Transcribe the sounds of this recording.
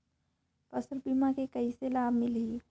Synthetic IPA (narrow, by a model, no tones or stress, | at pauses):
pɐsəɾbimãkekɐiselaːbmɪli